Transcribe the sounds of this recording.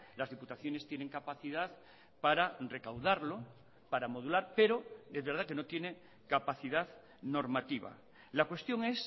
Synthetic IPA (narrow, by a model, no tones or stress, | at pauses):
lazðiput̪aθjo̞ne̞st̪je̞ne̞ŋkapaθiðað | paɾare̞kawðaɾlo | paɾamo̞ð̞ulaɾpe̞ɾo̞ezβeɾðake̞no̞t̪je̞ne | kapaθiðað | no̞ɾmat̪iβa̰ | lakwe̞st̪jo̞ŋe̞s